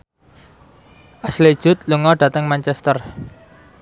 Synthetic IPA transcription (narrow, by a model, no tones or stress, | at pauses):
ʔasled̥ʒ̥ʊ̤t̪luŋɔɖ̥ä̤t̪əŋmant͡ʃɛst̪ər